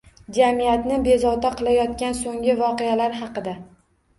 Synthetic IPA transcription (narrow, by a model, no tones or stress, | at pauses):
d͡ʒamijat̪nɪbe̞zɒwt̪aqʰɨlˠajɒt̪kʲansoŋʲɪvɒqejalaɾɦɑqɨd̪a